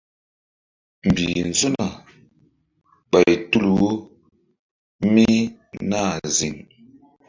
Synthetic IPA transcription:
m̩˨bi˨n˨zu˦na˨ | ɓa˨jtu˦lwo˦ | mi˦na˦˨zi˨ŋ

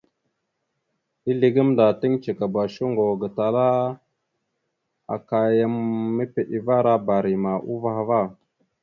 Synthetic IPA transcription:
i˦li˨ɡə˦mnda˨ti˦ŋt͡ʃə˨ka˨ba˨ʃu˦ŋɡo˨ɡə˨ta˨la˦ | a̰˨ka˨ja˦mːə˦pe˨ʔi˨va˦ɾa˦ba˨ɾi˨ma˨ʔu˦va˦˨ha˨va˦˨

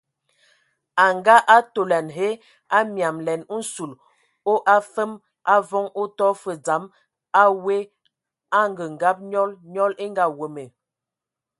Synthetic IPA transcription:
a˨ŋɡa˦ʔa˦to˨la˨nɦe˦ | a˦mja˨mlɛ˨n̩˦su˨l | o˦ʔa˦fə˦m | ʔa˦vɔ˦ŋo˦tɔ˦fə˨d͡za˨˦m | a˦we˦ | a˦ŋɡə˨ŋ̩˨ɡa˦p̚ɲɔ˦lɲɔ˦le˦ŋɡa˨wə˨me˨

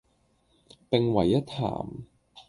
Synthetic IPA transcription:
pe˨ŋwɐ˨˩jːɐ˥t̚ʰa̰ː˨˩m

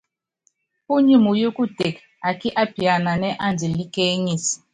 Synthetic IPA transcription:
pu˦ɲu˨mu˨jo˦ku˦d̥ʱe˨k | a˨ki˦ʔa˦b̥i˨a˨na˨nɛ˦ʔa˦˨nd͡zʱi˨li˦ke˦ɲi˨si̥˨

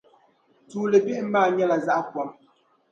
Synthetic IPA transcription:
tuː˨le˨bɛ˦ʔm̩˦maː˦˨ɲɛ˦la˨za˦ʔa˦kwɔ˨˦m

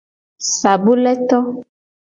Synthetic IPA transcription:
sa˨bu˦lɛ˦t̪ɔ˦

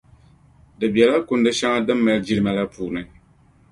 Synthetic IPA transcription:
dɨ˨bi˨ɛ˨la˦kʊ˨ndɨ˦ʃa˦ŋa˦dɨ˦mːa˨ld͡ʒi˦ɾɨ˦ma˨la˦puː˨nɨ˦

